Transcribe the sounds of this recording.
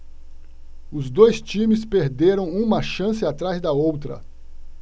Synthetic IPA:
ʊzd̪ojst͡ʃĩmɪspeɾd̪eɾɐ̃w̃ũmɐʃɐ̃sɪat̪ɾazd̪ɐowt̪ɾɐ̰

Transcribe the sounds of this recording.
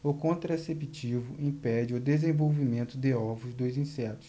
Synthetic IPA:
okõnt̪ɾɐesepit͡ʃivʊʔĩpɛd͡ʒɪʊd̪ezẽvowvimẽnt̪ʊd̪ɪɔvʊzd̪ojzĩsɛt̪ʊ̥s

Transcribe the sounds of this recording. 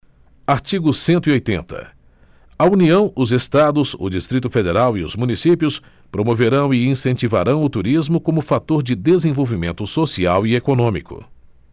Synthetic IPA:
aɾt͡ʃiɡʊsẽnt̪ʊiojt̪ẽnt̪ɐ̰ | ɐuniɐ̃w̃ʊzest̪ad̪ʊzʊ̰d͡ʒist̪ɾit̪ʊfed̪eɾawiʊ̰zmũnisipiʊs | pɾomoveɾɐ̃w̃iĩsẽnt͡ʃivaɾɐ̃w̃ʊt̪uɾizmʊkõmʊfat̪oɾd͡ʒɪd̪ezẽvowvimẽnt̪ʊsosiawiekonõmikʊ̰

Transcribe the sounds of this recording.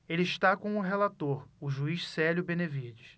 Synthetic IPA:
elɪiʃt̪akõw̃ʊɦelat̪oɾʊʒuiʃsɛljʊbẽnevid͡ʒis

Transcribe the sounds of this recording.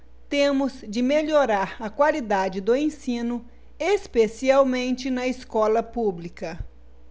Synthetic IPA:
t̪ẽmʊzd͡ʒɪmeʎoɾaɾɐkwalid̪ad͡ʒɪd̪ʊẽsĩnʊ | espesiawmẽnt͡ʃɪnɐiskɔlɐpublikɐ

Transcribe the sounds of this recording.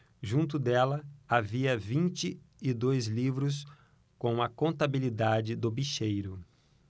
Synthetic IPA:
ʒũnt̪̬ʊd̪ɛlɐaviɐvĩnt͡ʃɪ | ɪd̪ojzlivɾʊs̬ | kõw̃ɐkõnt̪abilid̪ad͡ʒɪd̪ʊbiʃejɾʊ

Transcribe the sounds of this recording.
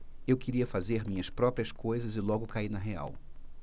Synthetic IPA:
ewkɪɾiɐfazeɾmʲĩɲɐspɾɔpɾiɐskojzɐzɪlɔɡʊkainɐɦea̰w

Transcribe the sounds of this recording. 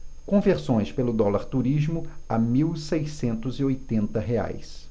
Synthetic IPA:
kõveɾsõj̃spelʊd̪ɔlaɾt̪uɾizmʊa̰miwsejsẽnt̪ʊziojt̪ẽnt̪ɐɦea̰js

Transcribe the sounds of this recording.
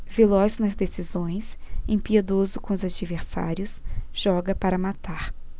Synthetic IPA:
velɔznɐzd̪esizõj̃sẽpied̪ozʊkõʊzad͡ʒiveɾsa̰ɾjʊsʒ̥ɔɡɐpaɾɐmat̪aɾ

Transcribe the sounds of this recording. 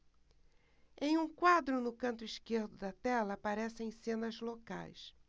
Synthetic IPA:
ẽj̃ũkwad̪ɾʊnʊkɐ̃nt̪ʊiʃkeɾd̪ʊd̪ɐt̪ɛlɐːpaɾɛsẽj̃sẽnɐzloka̰js

